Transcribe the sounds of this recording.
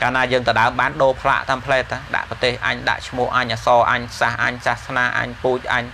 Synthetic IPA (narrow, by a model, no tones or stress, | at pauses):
kaːnaːjəːŋt̪əɗaəmɓaːnɗoːpʰla̰ʔt̪aːmpʰlɛːt̪ʰːaɗa̰ʔprɑt̪eːhʔa̰ɲɗa̰ʔt͡ɕʰmʊ̆əhʔaɲʔasɑːʔaɲsahʔa̰ɲsahsnaːʔa̰ɲpuːc̚ʔa̰ɲ